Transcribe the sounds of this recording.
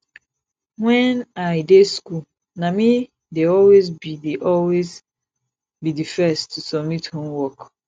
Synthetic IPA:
wɛ̃naɪdeskul | nami | deɔlwezbideʔɔlwez | bidifɛstʰusɔb̚mithõmwɔk

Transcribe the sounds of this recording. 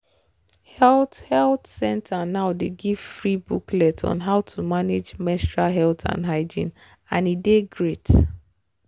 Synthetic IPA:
hɛlthɛltsɛ̃ntʰanaʊdeɡiv̥fɹibuklɛtʰɔ̰̃nɦaʊtʰumaned͡ʒmɛstɹaɦɛltʰã̰nɦaɪd͡ʒḭ̃n | ãnideɡɹet

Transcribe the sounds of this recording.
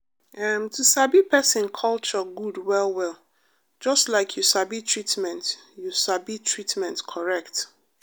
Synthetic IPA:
ʔamtʰusabipʰɛsɪ̃nkʰɔlˠt͡ʃəɡudwɛlˠwɛlˠ | d͡ʒɔstlaɪkʰjusabitʰɹitmɛ̃nt | jusabitʰɹitmɛ̃ntkʰɔɹɛkt

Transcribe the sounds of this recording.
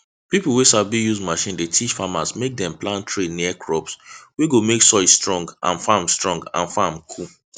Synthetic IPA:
pipl̩ˠwesabijuzmaʃĩndetʰiʃfamasmek̚dɛ̃mplãntʰɹeniɛkʰɹɔpsweɡomeksɔɪsstɹɔ̃ŋɡʔã̰nfamstɹɔ̃ŋɡã̰nfamkʰu

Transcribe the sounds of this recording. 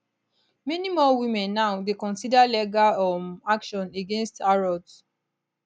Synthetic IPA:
mɛnimɔwimɛ̃nːaʊdekɔ̃nsidalɛɡaɔmakʃɔ̃neɡẽnstaɹɔd

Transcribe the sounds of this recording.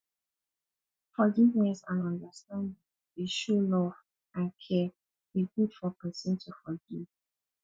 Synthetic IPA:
fɔɡivnɛsãnɔ̃ndəstãndĩ | eʃolɔv | ãnkʰɛ | biɡud̥fɔkʰɔ̃nsɛ̃ntʰufɔɡiv

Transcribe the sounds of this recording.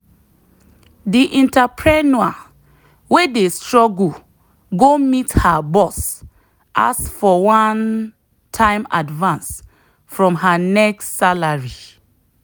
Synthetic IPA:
diʔĩntapʰɹɛnua | wedestɹɔɡul | ɡomithabɔs | ʔa̰sfɔwãn | tʰãɪ̃ma̰dvãns | fɹɔ̃mɦanɛkssalaɹi

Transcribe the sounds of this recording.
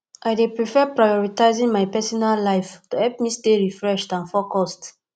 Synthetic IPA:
ʔajdepɹifɛpɹajɔɹitaɪzĩŋmajpɛsɔnallaɪftuhɛlp̚misteɹifɹɛʃtãnfɔkɔst

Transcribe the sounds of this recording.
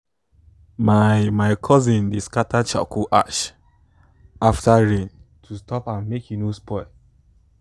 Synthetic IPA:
mamaɪkʰɔzĩndeskatʰat͡ʃa̰kʰuʔaʃ | aftaɹẽntʰustʰɔpãnmekjinospɔ

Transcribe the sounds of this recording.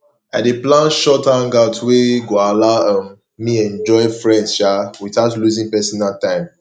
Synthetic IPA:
adeplãnʃɔtãŋɡaʊtʰweɡoalaãmː | iɛ̃nd͡ʒɔɪfɹɛ̃ʃawitaʊtluzĩnpɛsɔnaltãɪ̃m

